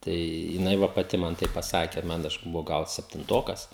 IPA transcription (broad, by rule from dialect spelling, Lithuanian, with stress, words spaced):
ˈtɐɪ jɪˈnɐɪ ˈʋɐ pɐˈtʲɪ ˈmɐn ˈtɐɪp pɐˈsɑːkʲɛ ˈmɐn ˈɐʃ bʊˈʋɐʊ ˈɡɐlˠ sʲɛpʲtʲɪnˈtoːkɐs